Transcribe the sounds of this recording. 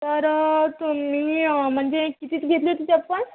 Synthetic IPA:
t̪əɾt̪umiːm̤əɳd͡zekit̪iːt͡sɡʱet̪lijot̪it̪eapəɳ

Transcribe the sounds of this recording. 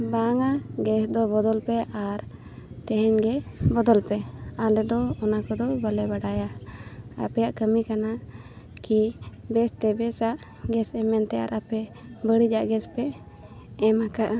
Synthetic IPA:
baŋaɡɛsd̪ɔbɔd̪ɔlpɛʔaɾ | t̪ɛɦɛɲɡɛbɔd̪ɔlpɛalɛd̪ɔːnakɔd̪ɔbəlɛbaɖaja | a̰pɛjaʔkəmikana | kibɛst̪ɛbɛsaʔ | ɡɛsɛmɛnt̪ɛja̰ɾapɛ | bəɽid͡ʒaʔɡɛspɛ | ɛmakaʔa

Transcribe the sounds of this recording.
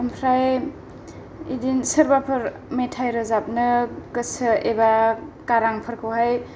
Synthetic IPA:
ɯmpʰɾaj | ḭdinsəɾbapʰɯɾ | metʰajɾɯzap̚nɯkɯsɯebakaɾaŋpʰɯɾkʰɯwhaj

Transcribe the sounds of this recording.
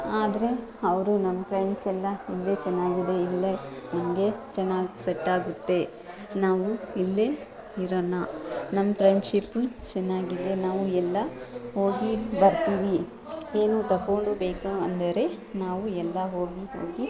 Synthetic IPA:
aːd̪ɐɾe̞ɐʋɐɾunɐmːɐpʰɾeɳɖsɛlːɐilːet͡ʃɛnːaːɡid̪e̞ilːɐnimɐɡe̞t͡ʃɛnːaːsɐʈːaːɡut̪ːe̞ | naːʋuilːe | iɾoːnːɐnɐmːɐpɾɐjɳʃipːut͡ʃɐnːaːɡid̪e̞naːʋuɛlːɐho̞ːɡibɐɾt̪iːʋi | e̞ːnuːt̪ɐkːoːɳɖubeːkuɐnd̪ɐɾe̞naːʋuɛlːɐɦo̞ːɡiɦoːɡi

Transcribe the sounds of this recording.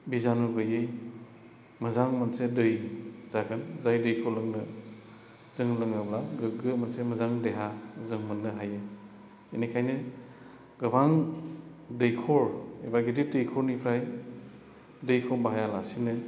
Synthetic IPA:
bizanuɡɯjɯj | mɐzaŋmansedɯjz̥aɡʰɯnzajdɯjkʰɔlɯŋnɯ | z̥ɯŋlɯŋɯblaɡɯɡɯmansemɐzaŋdeɦazɯŋmɯnːɯɦajɯ | inikʰajnɯ | ɡɐbaŋ | dɯjkʰɔɾebaɡididɯjkʰɔɾnipʰɾaj | dɯjkʰɔbaɦajalasinɯ

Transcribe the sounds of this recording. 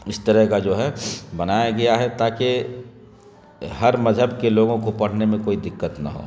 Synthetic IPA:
ɪst̪əɾəɦkad͡ʒoːɦɛbɐnaːjaɡɐjaɦɛt̪aːke | ɦɐɾmɐzɦəbkeloːɡõkopɐɽ̤nemẽkoːid̪ɪkːət̪na̰ɦo̰ː

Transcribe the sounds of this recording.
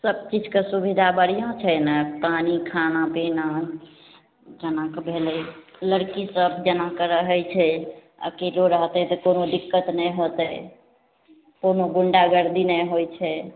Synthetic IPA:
səb̚t͡ʃid͡ʒʱkesubid̪ʱabəɽijãt͡ʃʰɛnɛpanikʰanapina | d͡ʒənakebʱeleləɽkisəbd͡ʒənakeɾəɦəjt͡ʃʰɛ | ə̰keloɾəɦt̪ɛt̪ɔkonoɖikːət̪nɛjɦot̪ɛ | konoɡuɳɖaɡəɾd̪inəɦojt͡ʃʰɛ

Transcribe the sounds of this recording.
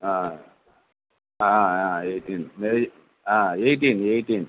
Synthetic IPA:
a | aaeːʈinme | aːeɪʈ̬ineɪʈin

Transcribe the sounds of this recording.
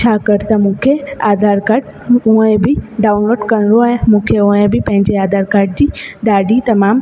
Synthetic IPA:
t͡ɕʰaːkɐɾt̪amũːkʰeaːd̪ʱaːɾkaːɾɖ | ũẽbʱiɖaːʊnʋəɾɖkɐñɾoẽmũːkʰeʊ̃ẽbʱipɐ̃ɦɪ̃ɲd͡ʑeaːd̪ʱaːɾkaːɾɖ̚d͡ʑiːɖaːɖit̪ɐmaːm

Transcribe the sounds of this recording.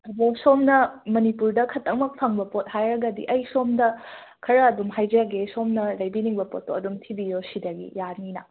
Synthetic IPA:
ɐbosomnɐmɐnipuɾdɐkʰɐtːɐk̚mɐk̚pʰɐŋbɐpot̚hajɾɐɡɐdḭʔɐjsomdɐ | kʰɐɾɐːdumɦajd͡ʒɐjaɡesomnɐlɐjbiniŋbɐpo̰tːoɐdumtʰibijosidɐɡḭjaɾninɐ̰

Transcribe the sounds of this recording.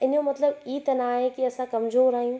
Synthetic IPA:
ɪnjomɐt̪ləbiːt̪ɐnaɦẽkiɐsãkɐmzoːɾaːijũ

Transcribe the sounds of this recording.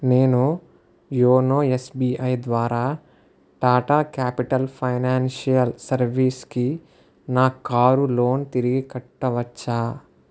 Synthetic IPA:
ne̞ːnu | joːnoːesbiːʔɐjd̪ʋaːɾaː | ʈaːʈaːkaːpiʈɐlpʰɐjnaːnʃijɐlsɐɾʋiːski | naːkaːɾulo̞ːnt̪iɾiɡikɐʈːɐʋɐt͡ʃːaː

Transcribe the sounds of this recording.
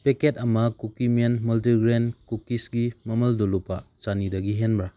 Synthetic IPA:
peketɐmɐkukimenmɐlt̬iɡɾenkukisɡimɐmɐldolupat͡ʃanidɐɡiɦenbɾa

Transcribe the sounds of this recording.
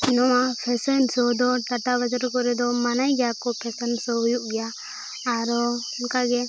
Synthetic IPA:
nɔmapʰɛsənsɔd̪ɔʈaʈabad͡ʒəɾkɔɾɛd̪ɔmanajɡjakɔpʰɛsənsɔɦujuʔɡɛjaː | ɾɔɔnkaɡɛ

